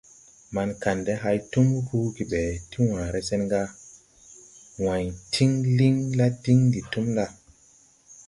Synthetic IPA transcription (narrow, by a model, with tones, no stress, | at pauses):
ma˨nka˨nde˦ɦa˨jtu˦mu˦hu˦ɡi˨be˨ti˦wãː˨ɾe˦se˦nɡa˦ | wã˨ɲtʰi˦ŋli˦ŋla˦ti˦ŋdi˨tu˦mɡa˨